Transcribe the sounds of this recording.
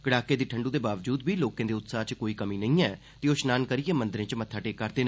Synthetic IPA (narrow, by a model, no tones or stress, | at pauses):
kəɽaːkːeːd̪iːʈʰəɳɖũːd̪eːbaːʋd͡ʒuːd̪biːloːkẽːd̪eːʊt̪saːt͡ʃkoːiːkəmĩːnə̃ĩːɛː | t̪eːoːʃnaːnkəɾijɛːmənd̪əɾẽːt͡ʃmət̪ʰːaːʈeːkːəɾd̪eːn